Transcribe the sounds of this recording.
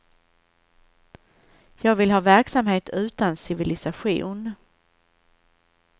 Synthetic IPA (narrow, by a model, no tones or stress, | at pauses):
jɑːɡvɪlɦɑːvæɾksamheːt̪ʰʉ̟ːt̪ansɪvɪlɪsaɧṵːn